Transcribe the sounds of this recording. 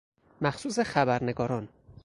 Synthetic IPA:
mæxsuːs̬e̞xæbæɾne̞ɡɒːɾɒːn

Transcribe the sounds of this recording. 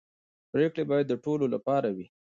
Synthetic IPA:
pɾekɽebɑjad̪ːəʈololapɑɾawi

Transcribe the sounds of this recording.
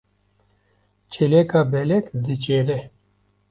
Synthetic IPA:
t͡ʃʰelekaːbɛlɛkd̪ɨt͡ʃeɾɛ

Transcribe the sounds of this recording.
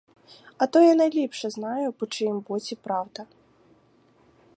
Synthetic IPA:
ɐt̪ɔjanɐjlʲipʂɛznajupɔt͡ʂɨjmbɔt͡sʲipɾawd̪ɐ

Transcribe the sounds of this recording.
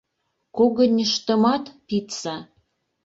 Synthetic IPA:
koɣə̆nʲəʃt̪ə̆mɑt̪pit̪sɑ

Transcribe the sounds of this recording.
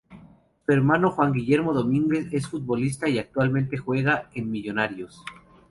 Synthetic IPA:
fe̞ɾmano̞xwaŋɡiʝe̞ɾmo̞ðo̞mĩŋɡe̞se̞sfut̪̚βo̞lis̬t̪aiak̚t̪walmẽnt̪e̞xwe̞ɣaenmiʝo̞naɾjo̞s

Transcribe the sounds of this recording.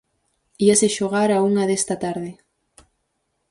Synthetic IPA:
iaseʃoɣaɾauŋɐðest̪ɐt̪aɾðɪ

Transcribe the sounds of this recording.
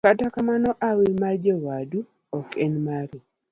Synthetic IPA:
katakamanɔʔawemad͡ʒewadu | ɔkɛnmaɾu

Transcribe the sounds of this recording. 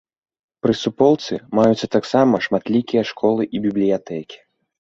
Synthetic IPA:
pɾɨsupɔwˠt̪sɨmajut̪sːɐt̪aksamɐʂmat̪lʲikʲijɐʂkʰɔlˠɨʔibʲiblʲijat̪ɛkʲi̥

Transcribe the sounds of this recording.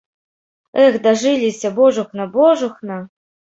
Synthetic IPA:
ɛxd̪ɐʐɨlʲisʲɐbɔʐuxnɐbɔʐuxnɐ

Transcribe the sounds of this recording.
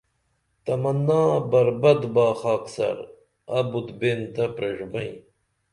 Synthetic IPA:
t̪ɐmɐnːaːbɐɾbɐd̪baːxaːksɐ̰ɾ | ɐbut̪bent̪ɐpɾeʐmɐĩ

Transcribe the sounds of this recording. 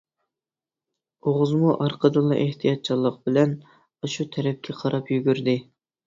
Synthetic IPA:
oʁʊzmuʔɑɾqʰəd̪ɨlˠːɑʔeht̪ʰijɑt̪̚t͡ʃʰɑlˠːəq̚bɪlɛn | ɑʃut̪ʰɛɾɛp̚kʲʰɛqʰɑɾɑpjyɡʲyɾd̪ɪ

